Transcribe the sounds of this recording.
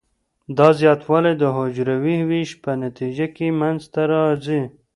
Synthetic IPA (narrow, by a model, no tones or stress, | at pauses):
d̪ɑzjɑt̪wɑlajd̪əɦod͡ʒɾawihwiʃpənat̪id͡ʒakemanzt̪aɾɑzi